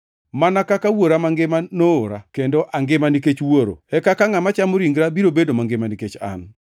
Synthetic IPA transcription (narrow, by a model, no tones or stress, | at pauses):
manakakawoɾamaŋɡɪmanooɾa̰kendoʔaŋɡɪmaniket͡ʃwoɾo̰ɛkakaŋamat͡ʃamoɾiŋɡɾabiɾobedomaŋɡɪmaniket͡ʃa̰n